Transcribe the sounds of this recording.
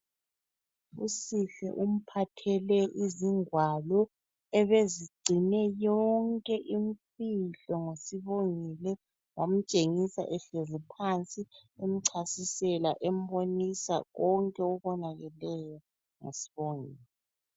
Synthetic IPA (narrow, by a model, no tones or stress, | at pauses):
ṵsiɬɛ̰ʔum̩pʰatʰɛlɛʔiziŋwalɔ | ɛβeziɡ͡ǀʱinɛjɔŋkʼɛʔim̩fiɬɔŋosiβoŋilɛ | wam̩t͡ʃʼeŋisa̰ʔɛɬɛzipʰant͡sʼiem̩ǀʰasisɛlaʔɛm̩bonisa̰ɣɔŋkʼɛɔɣɔnaɣɛlɛjɔ | ŋḛsi̥βoŋilɛ